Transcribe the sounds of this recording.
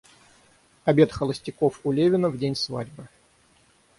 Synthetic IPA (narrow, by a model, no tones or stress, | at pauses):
pɐbʲe̞t̪xəlˠəsʲtʲɪko̞fʊlʲevʲɪnəvdʲenʲsva̰dʲbɨ